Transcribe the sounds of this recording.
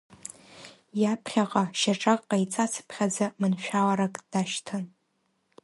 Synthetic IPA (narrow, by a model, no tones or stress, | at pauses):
japʰχʲaqʼaʃaʈ͡ʂʼakʼqʼajt͡sʼasʰɨ̥pʰχʲad͡zamɨnʃᶣalaɾakʼd̥aʃtʰɨn